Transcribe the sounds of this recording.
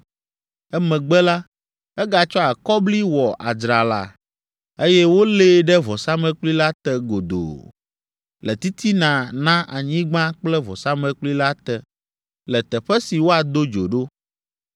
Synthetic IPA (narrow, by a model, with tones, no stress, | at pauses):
ɛ˦mɛ̃˨ɡ͡bɛ˦la˦ | ɛ˦ɡa˨t͡ʃɔ˦a˨kɔ˦bli˦wɔ˨ʔa̰˨d͡ʒɾa˨la̰˨ | e˦jɛ˦wo˦le˦ɖɛ˦vɔ˨sa˦mɛ̃˦k͡pli˦la˦t̪ɛ˨ɡo˨d̪o̰˨ | lɛ˨t̪i˦t̪ʰi˦nã˨nã˦ʔa̰˨ɲĩ˦ɡ͡bã˦k͡plɛ˦vɔ̰˨sa˦mɛ̃˨k͡pli˦la˦t̪ɛ˨ | lɛ˨t̪ɛ˨ɸɛ˦si˨wo˦a˨d̪o˦d͡ʒo˨ɖo˦